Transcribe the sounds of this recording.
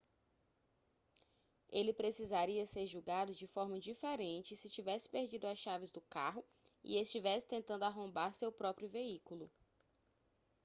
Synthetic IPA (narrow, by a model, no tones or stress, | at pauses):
elɪpɾesizaɾiɐseɾʒuɡad̪ʊd͡ʒɪfɔɾmɐd͡ʒifeɾẽnt͡ʃɪsɪt͡ʃivɛsɪ̥peɾd͡ʒid̪ʊasʃavɪzd̪ʊkaɦʊ | ḭest͡ʃivɛsɪ̥t̪ẽnt̪ɐ̃nd̪ʊaɦõmbaɾsewpɾɔpɾjʊveikulʊ